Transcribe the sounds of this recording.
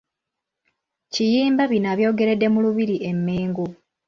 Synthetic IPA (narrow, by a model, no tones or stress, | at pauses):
cijiːmbaβinaβjo̞ːɡe̞ɾe̞dːe̞muluβiɾiʔe̞mːeːŋɡo